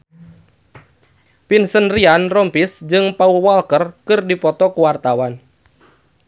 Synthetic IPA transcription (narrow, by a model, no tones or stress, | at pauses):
pinsənrianrɔmpisd͡ʒɨŋpauwalkərkɨrdipɔt̪ɔkuwart̪awan